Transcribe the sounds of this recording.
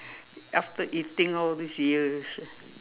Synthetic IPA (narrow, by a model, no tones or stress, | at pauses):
ʔæftəʔitɪ̃ŋɔlˠðisjiz̥